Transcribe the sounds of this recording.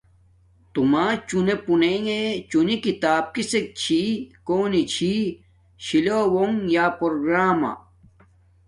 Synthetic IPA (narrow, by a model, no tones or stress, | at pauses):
t̪umat͡ɕunepuneŋet͡ɕunikit̪aːb̚kisek̚t͡ɕʰikoːnit͡ɕʰi | ɕilowoŋjaːpoɾoɡɾaːma̰